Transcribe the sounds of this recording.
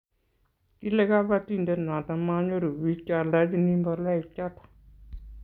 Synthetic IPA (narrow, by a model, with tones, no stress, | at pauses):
ki˦le˦ka˦βa˦ti˦˨nde˦˨nã˨t̪a˧ma˦ɲo˦ɾu˨wi˦t͡ʃa˨ɾla˨˦di˧ni˦mbɔ˧la˦i˨t͡ʃa˦t̪ḁ˨